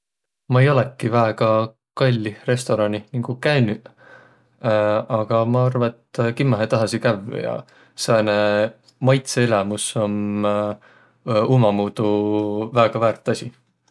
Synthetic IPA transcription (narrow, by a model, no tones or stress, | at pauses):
mɑejo̞lekːˑivæeɡ̥ɑ | kɑlʲːire̞st̪o̞ɾɑnʲiniŋɡ̥ukæny | ɑɡ̥ɑmɑɑrvɑet̪ːkimːɑɦet̪ɑɦɑsikævjɑ̰ | seene | mɑjt̪seelɑmuso̞n | umɑmuːd̪̥uvæːɡ̥ɑvæːrt̪ːˑɑsʲi